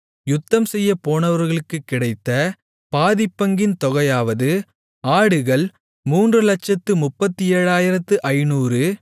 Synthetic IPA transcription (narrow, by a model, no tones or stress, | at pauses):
jʊt̪ːɐmsɛjːɐpoːnɐʋɐɾɣɐɭɯkːɯkːɪɽɐɪt̪ːɐ | paːðɪpːɐŋɡɪnt̪ɔɣɐjaːʋɐðɯ | aːɽɯɣɐɭ | muːndrɯlɐʈt͡ʃɐt̪ːɯmʊpːɐt̪ːieːɻaːjɪɾɐt̪ːɯʔɐɪnuːrɯ